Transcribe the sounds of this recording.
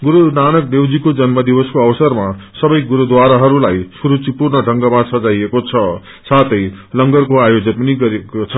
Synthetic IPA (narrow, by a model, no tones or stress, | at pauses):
ɡuɾunanʌk̚d̪ewd͡zikod͡zʌnmʌd̪ibʌskoʌwsʌrmasʌbʌjɡuɾud̪waɾaɦʌɾulajsuɾut͡sipurnʌɖʱʌŋɡʌmasʌd͡zajekot͡sʰʌ | sat̪ʰʌjlʌŋɡʌrkoajod͡zʌnpʌniɡʌɾekt͡sʰʌ